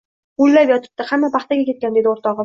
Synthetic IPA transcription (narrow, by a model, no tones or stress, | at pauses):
ʊllːapjɒt̪ʰɪ̥p̚t̪ahamːapʰɑχt̪aɡʲakʲe̞t̪kʲand̪e̞d̪ɪoɾt̪ʰɒʁ